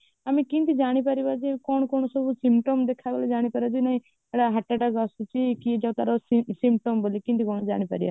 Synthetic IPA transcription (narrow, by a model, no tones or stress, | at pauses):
amikĩnt̪id͡ʒaɽ̃ipaɾibad͡ʒikɔɳ̃kɔñɔsɔbusimʈomd̪ekʰabeled͡ʒaːɽ̃ipaɾad͡ʒinaɦĩ | ɛɽaɦɐʈːaʈaɡɔsut͡ʃikid͡ʒat̪aɾɔsimʈombolikĩnt̪ikɔñɔd͡ʒa̰ɽ̃ipa̰ɾḭa̰